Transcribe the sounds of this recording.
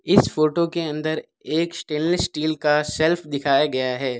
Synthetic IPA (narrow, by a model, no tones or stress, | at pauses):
ɪsfoːʈokeɐ̃nd̪əɾ | eːksʈeːllsʈiːlkasɛlpʰd̪ɪkʰaːjaɡɐjaɦɛː